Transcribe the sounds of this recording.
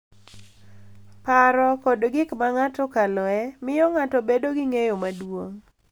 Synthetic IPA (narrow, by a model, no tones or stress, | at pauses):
paɾɔkɔdɡɪkmaŋatɔkalɔɛmɪjɔŋatɔbedoɡɪŋejomadwoŋ